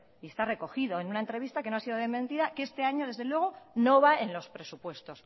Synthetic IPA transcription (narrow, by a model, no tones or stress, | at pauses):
iest̪are̞ko̞xiðoenunaent̪ɾe̞βist̪akenoasiðoðemẽnt̪iðakee̞st̪e̞aɲo̞ðe̞zðe̞lwe̞ɣ̞ono̞βae̞nlo̞spɾe̞supwe̞st̪o̞s